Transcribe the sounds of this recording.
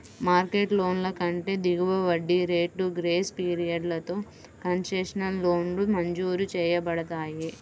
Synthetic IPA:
maːɾkeːʈlo̞ːnlɐkɐɳʈe̞ːd̪iɡuʋɐʋɐɖːiɾe̞ːʈuɡɾeːspiːɾijɐɖlɐt̪o̞ː | kɐnseʂɐnɐnlo̞ːnlumɐɲd͡ʒuːɾut͡ʃɛːjɐbɐɽɐt̪aːji

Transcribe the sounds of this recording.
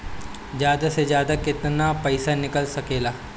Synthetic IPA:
zjaːd̪asezjaːd̪akɪt̪napɐɪsanɪkəlsɐkeːlaː

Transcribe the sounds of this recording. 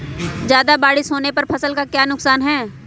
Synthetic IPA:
d͡ʒjaːd̪abaːɽɪsoːnepɐɾpʰɐsəlkakjaːnʊksaːnɦɛː

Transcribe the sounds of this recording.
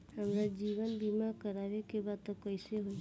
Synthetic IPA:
həmɾad͡ʒiːʋənbimakəɾaɾekebat̪ɔkəjseɦoi

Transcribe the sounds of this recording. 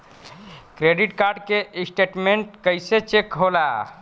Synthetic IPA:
kɾeɖiʈkaɾɖkesʈeʈmeɳʈkəjset͡ʃekɦola

